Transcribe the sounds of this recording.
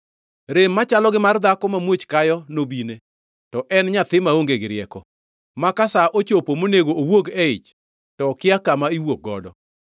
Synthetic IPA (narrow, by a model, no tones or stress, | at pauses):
ɾemːat͡ʃalɔɡɪmard̪akɔmamwot͡ʃkajɔnobine | tɔʔɛnɲat̪ɪmaoŋɡeɡɪɾɪɛkɔ | makasaʔot͡ʃopomoneɡowoɡeɪt͡ʃ | tɔkɪakamaiwok̚ɡɔ̰dɔ̰